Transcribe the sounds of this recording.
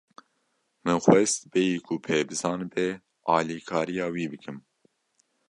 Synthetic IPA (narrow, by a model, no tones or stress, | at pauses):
mɨnxwɛst̪bɛjiːkʰʊpʰeːbɨzɑːnbɛ | ɑːliːkʰɑːɾijɑːwiːbɨkɨm